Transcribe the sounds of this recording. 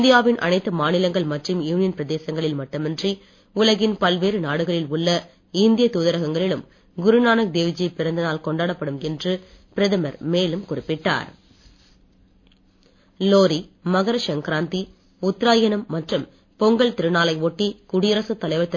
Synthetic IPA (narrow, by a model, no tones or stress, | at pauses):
nd̪ɪjaːʋɪnʔɐ̰nɐɪt̪ːɯmaːnɪlɐŋɡɐɭmɐʈrɯmjuːnɪjɐnpɪɾɐðeːsɐŋɡɐɭɪlmɐʈːɐmɐndri | ʊlɐɣɪnpɐlʋeːɾɯnaːɽɯɣɐɭɪlʊɭːɐ | ɪnd̪ɪjɐt̪uːðɐɾɐɣɐŋɡɐɭɪlɯm | ɡʊɾɯnaːnɐk̚d̪eːʋɪd͡ʒijpɪɾɐnd̪ɐnaːlkɔɳɖaːɽɐpːɐɽɯmɛndrɯ | pɪɾɐðɐmɐɾmeːlɯmkʊrɪpːɪʈːa̰ːɾ | loːɾimɐɣɐɾɐʂɐŋkɾaːnt̪i | ʊt̪ːɾaːjɐnɯmːɐʈrɯm | pɔŋɡɐɭt̪ɪɾɯnaːlɐɪɔʈːikʊɽɪjɐɾɐsɯt̪ːɐlɐɪʋɐɾt̪ɐ